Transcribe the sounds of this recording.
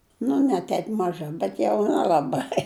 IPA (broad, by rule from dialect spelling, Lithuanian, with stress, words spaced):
nʊ nʲɛ ˈtʲɛp mɐˈʒɐ bʲɛt jɛʊ nʲɛlˠɐˈbɐɪ